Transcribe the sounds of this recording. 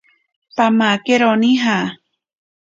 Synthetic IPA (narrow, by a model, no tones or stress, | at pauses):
pamakeɾonĩɦa